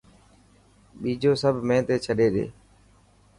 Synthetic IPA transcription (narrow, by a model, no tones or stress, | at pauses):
ɓiːd͡ʒoːsəbʱmẽːt̪eːt͡ʃʰəɗeːɗḛː